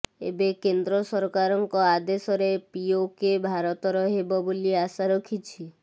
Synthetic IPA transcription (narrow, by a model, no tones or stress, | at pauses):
ḛbekend̪ɾɔsɔɾkaɾɔŋkɔad̪esɔɾepiokebʱaɾɔt̪ɔɾɔɦebɔboliasaɾɔkʰit͡ʃʰi